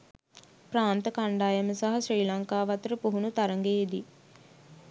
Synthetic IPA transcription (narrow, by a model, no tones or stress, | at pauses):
pɾaːnt̪əkaɳɖaːjəməsaɦasriːlaŋkaːʋɐt̪əɾəpuɦunut̪aɾəŋɡeːd̪i